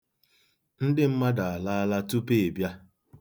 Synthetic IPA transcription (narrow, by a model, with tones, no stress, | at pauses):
n̩˦dɪ˦m̩˦ma˦da˨a˨la˦a˦la˦tu˦pe˨e˨bja˦